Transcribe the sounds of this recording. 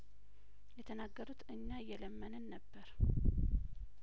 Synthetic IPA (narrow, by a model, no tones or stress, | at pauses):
jɛt̪ʰənaɡːəɾut̪ʰɨɲːajːɛləmːənəːəbːəɾ